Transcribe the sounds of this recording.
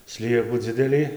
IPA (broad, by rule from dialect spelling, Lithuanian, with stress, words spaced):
ˈsʲlʲiɛkuː ˈd͡zʲɪdʲɛlʲiː